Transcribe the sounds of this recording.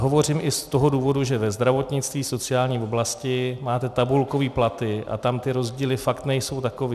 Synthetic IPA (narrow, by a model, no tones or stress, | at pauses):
ɦo̞vo̞r̝ɪmʔɪst̪o̞ɦo̞duːvo̞duʒɛvɛzd̪ɾavo̞t̪ɲɪt͡st̪viːso̞t͡sɪaːlɲiːvo̞blascɪmaːt̪ɛt̪abulko̞viːplat̪ɪʔa̰t̪amt̪ɪɾo̞zɟiːlɪfakt̪nɛjso̞wt̪ako̞viː